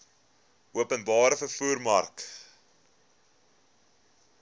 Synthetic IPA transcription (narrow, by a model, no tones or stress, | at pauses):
ʔuəpənbɑːɾəfərfuːrmɐrk